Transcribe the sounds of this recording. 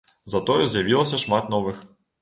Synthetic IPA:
zɐt̪ɔjɛzʲjavʲilˠɐsʲɐʂmat̪nɔvɨx

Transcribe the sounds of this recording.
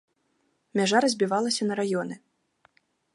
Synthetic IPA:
mʲaʐaɾɐzʲbʲivalˠɐsʲɐnɐɾajɔnɨ

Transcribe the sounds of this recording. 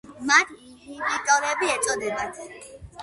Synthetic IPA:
mat̪ʰimimit̪ʼɔɾɛbiɛt͡ʃsʼɔd̪ɛbat̪ʰ

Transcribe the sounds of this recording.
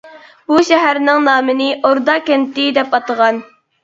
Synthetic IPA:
b̥uʃɛɦæɾnɪŋnɑːmɨnɪʔoɾd̪ɑkʲɛnt̪ɪd̪ɛpɑt̪əʁɑn

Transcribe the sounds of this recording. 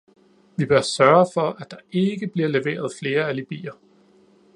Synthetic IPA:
ʋib̥ɶɐsɶɐfɒ̽ʔæd̥ɑ̈e̝ɡ̥əb̥liɐleʋe̝̰ːɐð̞ˠfle̝ːɐælib̥ḭːɐ

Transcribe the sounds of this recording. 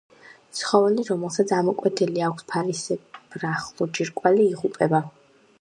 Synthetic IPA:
t̪sχɔvɛliɾɔmɛlˠsat̪sʰamɔkʼwɛt̪ʰɛliakʷʰspʰaɾisɛb̥ɾaχlˠɔd͡ʒiɾkʼwaliːʁupʼɛba

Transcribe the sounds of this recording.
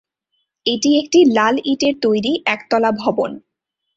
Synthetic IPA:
eʈiekʈilaliʈeɾt̪ojɾiʔɛkt̪ɔlabʱɔbon

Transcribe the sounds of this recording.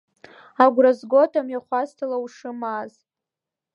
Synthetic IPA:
aɡʷrazɡʷotʼamjaχʷaztʰalauʂɨmaz

